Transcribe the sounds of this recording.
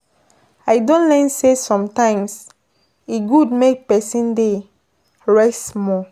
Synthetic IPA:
aɪdõnlɛ̃nsesɔ̃mtãɪ̃ms | iɡudmek̚pɛsĩnde | ɹɛsmɔ

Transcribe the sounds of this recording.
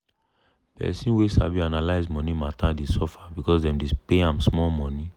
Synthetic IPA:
pɛ̰sĩnwesa̰bianalaɪzmɔ̃nĩmatãdesɔfabikɔsdɛ̃mdepeãmsmɔlmɔ̃ni

